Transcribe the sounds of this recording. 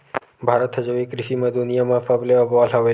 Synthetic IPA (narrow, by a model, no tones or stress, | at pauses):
bʱaɾət̪ɦəd͡ʒəʋikɾɪʃimãd̪unijamãfableəbʋalɦəʋe